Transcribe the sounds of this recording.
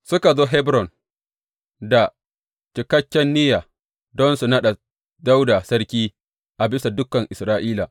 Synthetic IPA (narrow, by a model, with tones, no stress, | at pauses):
sʊ˦ka˨zoː˦ɦɛ˦bɾɔ˨n | da˨ | t͡ʃɪ˨kɐ˦kʲːɛ˦nːɪ˦jaː˨ | dɔ˦nsu˨nɐ˦ɗa˨ | da˦wda˨sɐ˦ɾkʲiː˦ | ʔa˨bɪ˦sa˨dʊ˦kːɐ˨ŋʔɪ˨sɾaː˦ʔiː˦la˨